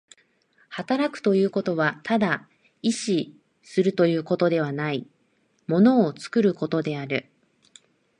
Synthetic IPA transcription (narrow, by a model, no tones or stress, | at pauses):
hat̪aɾakɯ̥t̪o̞jɯ̟ːko̞t̪o̞βat̪ʰad̪a | iɕi | sɨɾɯ̟t̪o̞jɯ̟ːko̞t̪o̞d̪e̞β̞anai | mo̞no̞ːt͡sɨ̥kɯ̟ɾɯ̟ko̞t̪o̞d̪e̞aɾɯ̟